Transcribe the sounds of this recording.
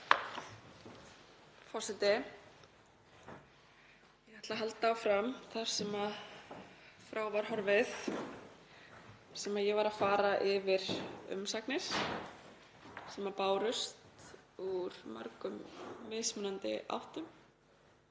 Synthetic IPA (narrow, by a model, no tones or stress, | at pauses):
fɔrsɪt̪ɪ | jɛɣaht̪laɦalt̪afɾamθaɾ̥sɛmað | fɾaːwvaɾ̥hɔɾvɪθ | sɛmaðjɛɣvaɾafaːɾaʔɪvɪɾ̥ʏ̰msaknɪs | sɛmapaːwɾʏst̪uɾma̰ɾkʏmːɪsmʏnant̪ɪ̰ʔa̰wht̪ʏm